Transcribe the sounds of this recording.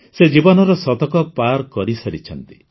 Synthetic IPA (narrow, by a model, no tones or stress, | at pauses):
sed͡ʒibɔnɔɾɔsɔd̪ɔkɔpaɾkɔɾisɔɾit͡ʃʰɔnt̪i̥